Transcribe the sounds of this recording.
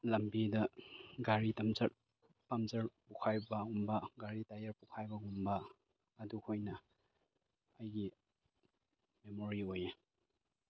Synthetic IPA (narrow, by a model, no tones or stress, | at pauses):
lɐmbidɐɡaɾitɐmzɐt̚ | pɐmzɐɾpukʰajbɐumbɐɡaɾitajɐɾpukʰajbɐɡumbɐː | dukʰojnɐ | ɐjɡi | memoɾioje